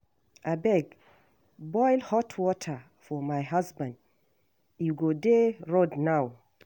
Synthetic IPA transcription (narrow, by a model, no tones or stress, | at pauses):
ʔabɛɡ | bɔjlhɔtʰwɔtʰə | fɔmajɦasbãnd | juɡodeɹodnaw